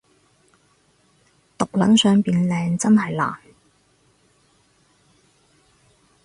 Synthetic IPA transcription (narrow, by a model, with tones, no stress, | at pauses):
t̪ʊ˨k̚lɐ˨˥nsœː˨ŋpiː˨nlɛː˨˧ŋt͡sɐ˥nɦɐ˨jla̰ː˨˩n